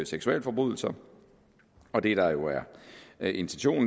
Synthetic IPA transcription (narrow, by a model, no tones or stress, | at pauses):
seɡ̥suɛ̰ːlfɒ̽b̥ʁuð̰ˠl̩sɐ | ɒ̽d̥e̝ɾ̥ɑ̈jo̝æɐʔe̝nt͡sʰenɕo̝̰ːn